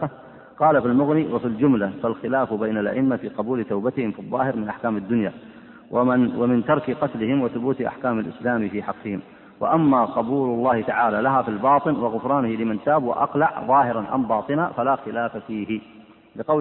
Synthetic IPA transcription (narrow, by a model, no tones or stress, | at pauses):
qɑːlafilmʊɣniːwʔafild͡ʒʊmlafalxɪlaːfbajnalʔa̰ʔɪnːafiːqɑbuːlɪt̪awbat̪ɪhɪmfɨðˤːɑːhɪɾmɪnʔaħkaːmad̪ːʊnja | wamɪnt̪ɑɾˤkɪqɑt̪lɪhɪmwɪθʊbuːt̪ʔa̰ħkaːmalʔɪ̰slaːmfiːħɑqːɨhɪm | wa̰ʔamːaqɑbuːlʊlˤːɑːhɪt̪aʕaːlalaɦafilbɑːt̪ˤɨnwɑɣʊfɾˤɑːnhɪlɪmant̪aːbwɪ̰ʔɑ̰qlaʕðˤɑːhɪɾɑnʔa̰mbɑːt̪ˤɨnafalaːxɪlaːfafiːhɪ | lɪqɑw